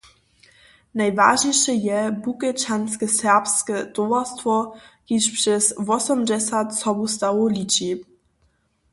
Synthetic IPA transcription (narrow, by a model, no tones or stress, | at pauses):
najva̰ʐɲɛjʂɛjɛbukɛt͡ʃanskɛsɛʁpskɛd̪̥ɔvastfɔ | iʂpʂɛsvɔsɔmd͡ʑɛsʲat̪sɔbust̪awɔlʲit͡ɕi